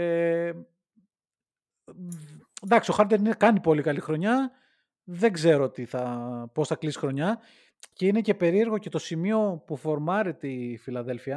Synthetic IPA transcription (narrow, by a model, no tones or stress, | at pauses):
e | nd̪ɐksio̞xɐɾt̪enikɐnipo̞likɐlixɾo̞ɲɐ | ðeɡze̞ɾot̪iθɐpo̞sθɐklisi̥xɾo̞ɲɐ | ceine̞ce̞pe̞ɾie̞ɾɣo̞ce̞t̪o̞simio̞pufo̞ɾmɐɾet̪ifilɐðe̞lfiɐ